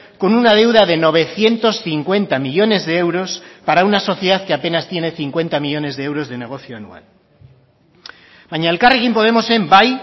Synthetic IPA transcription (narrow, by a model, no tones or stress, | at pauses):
ko̞nunað̞e̞wðaðe̞no̞β̞e̞θje̞nt̪o̞sθiŋkwe̞nt̪amiʎo̞ne̞zðe̞e̞wɾo̞spaɾaunaso̞θjeðaðkeape̞nast̪jene̞θiŋkwe̞nt̪amiʎo̞ne̞zðee̞wɾo̞zðe̞ne̞ɣ̞o̞θjoanṵa̰l | baɲalkariɣimpo̞ð̞e̞mo̞sembaj